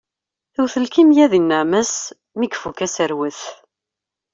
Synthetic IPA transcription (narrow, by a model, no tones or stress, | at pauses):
θuwθəlkimjæðinːəʕməs | mikfukæsəɾwəθ